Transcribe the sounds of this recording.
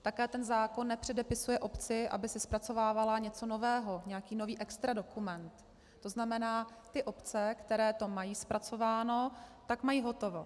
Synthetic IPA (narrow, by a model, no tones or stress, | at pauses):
t̪akɛːt̪ɛnzaːko̞nːɛpr̝̥ɛdɛpɪsujɛʔo̞pt͡sɪʔa̰bɪsɪspɾat͡so̞vaːvalaɲɛt͡so̞no̞vɛːɦo̞ɲɛjakiːno̞viːʔɛkst̪ɾado̞kumɛnt̪ː | o̞znamɛnaːt̪ɪʔo̞pt͡sɛkt̪ɛɾɛːt̪o̞majiːspɾat͡so̞vaːno̞t̪akmajiːɦo̞t̪o̞vo̞